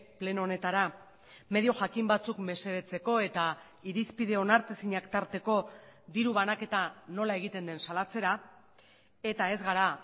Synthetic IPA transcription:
ple̞none̞t̪aɾa | me̞ð̞io̞ʝakimbat͡sukme̞se̞βe̞t͡se̞ko̞e̞t̪a | iɾispið̞e̞o̞naɾt̪esiɲakt̪aɾt̪e̞ko̞ðiɾuβanake̞t̪ano̞lae̞ɣ̞it̪e̞nd̪e̞nsalat͡se̞ɾa | e̞t̪ae̞zɣaɾa

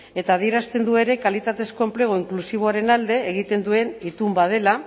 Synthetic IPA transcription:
e̞t̪aːð̞ieɾast̪e̞nd̪ue̞ɾe̞kalit̪at̪e̞sko̞emple̞ɣ̞o̞iŋklusiβ̞o̞aɾe̞nald̪e̞ːɣ̞it̪e̞nd̪ue̞nit̪umbað̞e̞la

